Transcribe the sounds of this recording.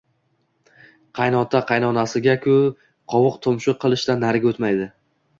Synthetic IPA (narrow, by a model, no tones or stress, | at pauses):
qʰɑjnɒt̪ʰaqʰɑjnɒnasɪɡʲakʲʰʊ | qʰɒwʊqt̪ʰʊmʃɪqʰɨlˠɪʃt̪anːaɾɡʲaot̪majd̪ɪ